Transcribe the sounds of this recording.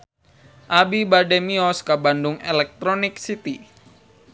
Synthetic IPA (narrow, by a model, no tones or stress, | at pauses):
ʔabibademiɔskabandʊŋɛlɛk̚t̪ɾɔnɪksit̪i